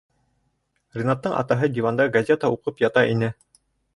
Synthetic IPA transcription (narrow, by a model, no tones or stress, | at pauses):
rʲɪnat̪ːɤɴʔɑ̰t̪ɑɦɤd̪ʲivand̪ɑɡazʲet̪əuqɤpjɑt̪ɑʔinɘ